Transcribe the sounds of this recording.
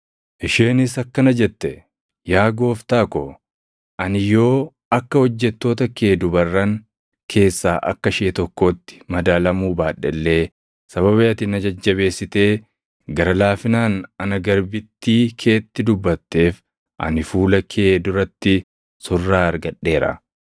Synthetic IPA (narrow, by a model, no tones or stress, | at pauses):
ʔɪʃeːnɪsɐkːɐnɐd͡ʒɛt̪ːɛ | jaːɡo̞ːft̪aːkɔ | ʔɐnɪjo̞ː | ɐkːɐhɔd͡ʒːɛt̪ːo̞ːt̪ɐkʰe̞ːd̪ʊbɐrːɐŋ | kʰe̞ːsːaːʔɐ̰kːɐʃeːt̪ɔkːo̞ːt̪ːɪ̥mɐd̪aːlɐmuːbaːᶑɛlːe̞ː | sɐβɐβeːɐt̪ɪnɐd͡ʒɐd͡ʒːɐβe̞ːsːɪt̪e̞ː | ɡɐɾɐlaːfɪnaːnɐnɐɡɐɾbɪt̪ːiːkʰe̞ːt̪ːɪd̪ʊbːɐt̪ːe̞ːf | ʔɐ̰nɪfuːlɐkʰe̞ːd̪ʊɾɐt̪ːɪ | sʊrːaːɐɾɡɐᶑːe̞ːɾɐ̰